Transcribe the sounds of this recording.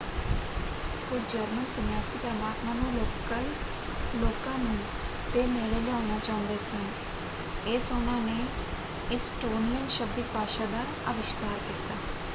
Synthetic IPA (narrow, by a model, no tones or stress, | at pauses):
kʊd͡ʒəɾmənsənjaːsiːpɾəmaːt̪nãːnẽːloːkə | loːkãːnũː | t̪eːneːleːlɛaːʊnaːt͡ʃaːʊ̃nd̪eːsə̃ŋ | ɪːsʊnãːneː | ɪsʈoːnijənʃəb̚d̪iːkaːʃaːd̪aː | ə̰ʋɪʃkaːɾkit̪aː